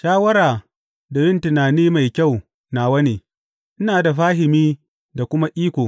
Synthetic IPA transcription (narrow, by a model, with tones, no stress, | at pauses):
ʃaː˦wɐ˦ɾaː˨ | da˨bɪ˦ntɪ˨naː˨niː˦ma˨jkʲa˦˨w | na˨wɐ˦neː˨ | ʔɪ˦naː˨da˨ɸaː˦ɦɪ˨miː˦ | da˨kʷʊ˦ma˦ʔiː˦kʷoː˨